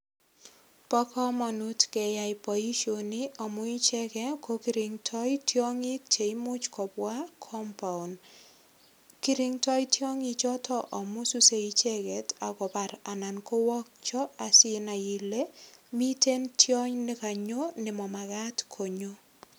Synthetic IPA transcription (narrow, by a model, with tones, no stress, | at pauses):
pɔ˦kɔ˦mɔ˨nu˦tkɛ˨ja˨jpɔ˨i˦ʃo˨ni˦ɔ˨mʊ˦i˦t͡ʃɛ˦kɛ˦ko˦ki˦ɾi˨ŋtʰɔ˦jtjɔ˦ŋɪ˦k̚t͡ʃe˨i˦mʊ˦t͡ʃkɔ˨bwa˦kʰɔ˦mpa˨u˨n | ki˦ɾi˦ŋtɔ˦jtjɔ˦ŋi˦t͡ʃɔ˦tʰɔ˦ʔɔ˨mʊ˦su˦se˦it͡ʃe˦ɡɛ˨ta˨kɔ˨ba˨ɾa˨na˨nko˦wɔ˦k̚t͡ʃɔ˦a˨sɪ˦na˨ji˨le˦mi˦te˦ntjɔ˦ɲnɪ˦ka˨ɲo˦nɪ˨mɔ˨ma˨ɡa˦tkʰo˨ɲo˦